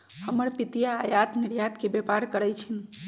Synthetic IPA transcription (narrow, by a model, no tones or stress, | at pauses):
həməɾpit̪ijaːjat̪niɾjat̪kebepaɾkəɾəjt͡ʃʰin